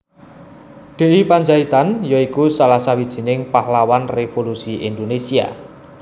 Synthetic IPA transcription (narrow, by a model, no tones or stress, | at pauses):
ɖ̪̥e̤ʔipaɲd͡ʒait̪anjɔikusalasawid̥ʒ̥i̤nɪŋpahlawanrefolusiʔind̪onesia̰